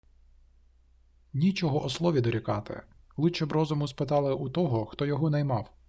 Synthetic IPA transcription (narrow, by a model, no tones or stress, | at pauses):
nʲit͡ʃɔɦɔʔɔslˠɔʋʲid̪ɔɾʲikɑt̪ɪ̰ | lˠɪt͡ʃɔbɾɔzʊmʊspɪt̪ɑlˠɪʔut̪ɔɦɔxt̪ɔjɔɦɔnɐjmɑw